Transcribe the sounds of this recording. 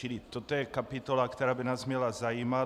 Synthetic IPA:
ilɪt̪ot̪ojɛkapɪt̪olakt̪ɛɾaːbɪnaːsmɲɛlazajiːma

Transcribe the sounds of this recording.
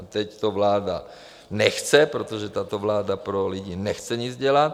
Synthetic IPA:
t̪ɛct̪ɔʋlaːd̪a̰ | nɛxt͡sɛpɾɔt̪ɔʒɛt̪aːt̪ɔʋlaːd̪apɾoliɟiːnɛxt͡sɛɲid͡zɟɛlat̪

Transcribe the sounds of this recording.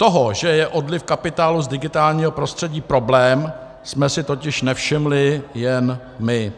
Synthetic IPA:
t̪oɦoʒɛjɛʔo̞dlɪfkapɪt̪aːluzdɪɡɪt̪aːlɲiːɦo̞pɾo̞st̪r̥ɛɟiːpɾo̞blɛːm | smɛsɪt̪o̞cɪʃnɛfʃɪmlɪjɛn | mɪ

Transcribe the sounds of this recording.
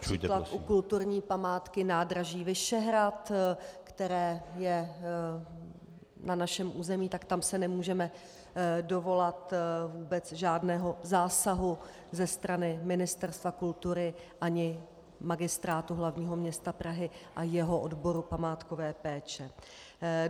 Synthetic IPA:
t͡ʃut̪laukult̪uɾɲiːpamaːt̪kɪnaːdɾaʒiːvɪʃɛɦɾat̪kt̪ɛɾɛːjɛ | nanaʃɛmʔuːzɛmiːt̪akt̪amsɛnɛmuːʒɛmɛ | do̞vo̞lat̪vuːbɛt͡sʒaːdnɛːɦo̞zaːsaɦu | zɛst̪ɾanɪmɪnɪst̪ɛɾst̪vakult̪uɾɪ | ʔaɲɪ | maɡɪst̪ɾaːt̪uɦlavɲiːɦo̞mɲɛst̪apɾaɦɪʔajɛɦoʔodbo̞ɾupamaːt̪kovɛːpɛːt͡ʃɛ

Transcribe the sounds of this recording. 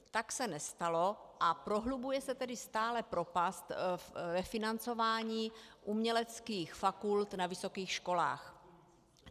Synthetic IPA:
t̪aksɛnɛst̪alo̞ʔapɾo̞ɦlubujɛsɛt̪ɛdɪst̪aːlɛpɾo̞past̪vɛfɪnant͡so̞vaːɲiːʔumɲɛlɛt͡skiːxfakult̪navɪso̞kiːxʃko̞la̰ːx

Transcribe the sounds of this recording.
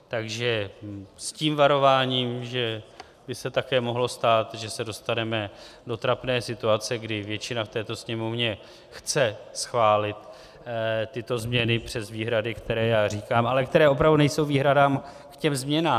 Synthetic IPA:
t̪aɡʒɛsciːmvaɾo̞vaːɲiːmʒɛ | bɪsɛt̪akɛːmo̞ɦlo̞st̪aːt̪ʒɛsɛdo̞st̪anɛmɛdo̞t̪ɾapnɛːsɪt̪uat͡sɛɡdɪvjɛt͡ʃɪnaft̪ɛːt̪o̞sɲɛmo̞vɲɛ | xt͡sɛsxvaːlɪt̪ | t̪ɪt̪o̞zmɲɛnɪpr̝̥ɛzviːɦɾadɪkt̪ɛɾɛːjaːr̝iːkaːmʔalɛk̚t̪ɛɾɛːʔo̞p̬ɾavdunɛjso̞wviːɦɾadaːm | kcɛmzmɲɛnaː

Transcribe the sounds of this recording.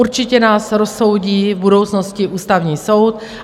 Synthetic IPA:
uɾt͡ʃɪcɛnaːsɾosːo̞wɟiːvbudo̞wt͡sno̞scɪʔuːst̪avɲiːso̞wt̪

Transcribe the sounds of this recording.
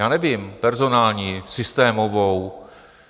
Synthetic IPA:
jaːnɛvimpɛɾzo̞naːlɲiːsɪst̪ɛːmovow

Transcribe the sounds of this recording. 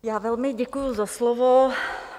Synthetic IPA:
jaːvɛlmɪɟɛkujuzaslovo

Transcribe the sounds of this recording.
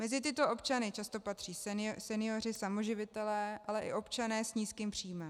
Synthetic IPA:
mɛzɪt̪ɪt̪oʔo̞pt͡ʃanɪt͡ʃast̪o̞pat̪r̥iːssɛnɪjorɪsamo̞ʒɪvɪt̪ɛlɛːʔalɛʔɪ̰ʔo̞pt͡ʃanɛːsɲiːskiːmpr̥iːmɛ

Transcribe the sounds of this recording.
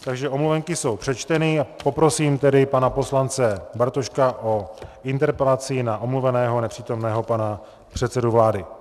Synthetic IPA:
t̪aɡʒɛʔo̞mluvɛŋkɪso̞wpr̥ɛt͡ʃt̪ɛniːapo̞pɾo̞siːmt̪ɛdɪpanapo̞slant͡sɛbaɾt̪oʃkaʔo̞ʔɪnt̪ɛɾpɛlat͡sɪnaʔomluvɛnɛːɦo̞nɛpr̝̥iːt̪o̞mnɛːɦo̞pana | pr̥ɛt̪t͡sɛduvlaːdɪ

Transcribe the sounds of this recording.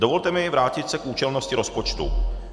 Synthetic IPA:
dovo̞lt̪ɛmɪvɾaːcɪt̪sɛkʔuːt͡ʃɛlno̞scɪɾo̞spot͡ʃt̪ṵ

